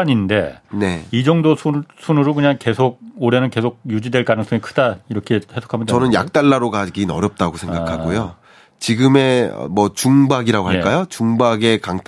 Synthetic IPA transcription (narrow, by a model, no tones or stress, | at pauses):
aɲinde̞ne̞id͡ʑʌŋdosʰusʰunɯɾokɯɲaŋke̞sʰoɡ̚oɾe̞nɯnke̞sʰoɡ̚jud͡ʑidwe̞ɭkanɯŋs͈ʌŋikʰɯdaiɾʌkʰe̞he̞sʰo̥kʰamʌntʌnɯnja̰k̚t͈aɭːaɾoɡaɡinʌ̰ɾjʌp̚t͈aɡosʰe̞ŋɡakʰaɡojo | t͡ɕiɡɯme̞̰mwʌt͡ɕuŋbaɡiɾaɡoɦak͈ajot͡ɕuŋbaɡe̞kaŋtʰ